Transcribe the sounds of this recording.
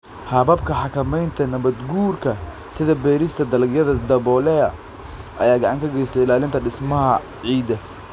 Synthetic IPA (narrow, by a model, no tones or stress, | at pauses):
hɐβɐbkʰɐħɑkʰɐmɛjnt̪ʰɐnɐβɐd̪ɡuːrkʰɐ | sɪðɐbɛːɾɪst̪ʰɐd̪ɐlɡjɐðɐd̪ɐβɔlɛɐ̰ | ʔɐ̰jaːɡɑʕɑŋkʰɐɡɛjst̪ʰɛɪlaːlɪnt̪ʰɐɖɪsmɐɦɐ | ʕiːd̪ɐ